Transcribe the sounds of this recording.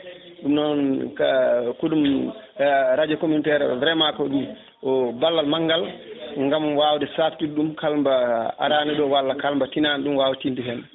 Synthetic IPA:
ɗumnɔn | kuɗum | ɾad͡ʒɛkomintɛɾvɾɛmakɔɗum | ʔɔbalːalmaŋɡalŋɡamwawdɛsaftiɗumkʰalmbaa̰ɾanɛɗɔwalːakalmbatinanɗumwawutintiɦɛn

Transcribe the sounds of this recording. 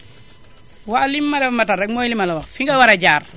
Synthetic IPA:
walimːadɛmataɾɛk̚mɔjlimalawafiŋɡawaɾad͡ʒaɾ

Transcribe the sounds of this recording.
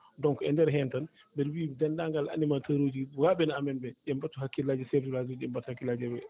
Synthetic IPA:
dɔŋkɔɛndɛɾɦɛntan | bɛlwiːdɛndaŋɡala̰nimatəɾoːd͡ʒiwaɓɛnaamɛnbɛʔɛmbatɔɦakːilad͡ʒɛsɛɾdulaːd͡ʒod͡ʒɛmbathakːilad͡ʒɛwɛ

